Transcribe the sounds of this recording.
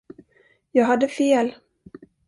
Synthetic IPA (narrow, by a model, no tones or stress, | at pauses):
jɑːɡɦad̪ːəfeːl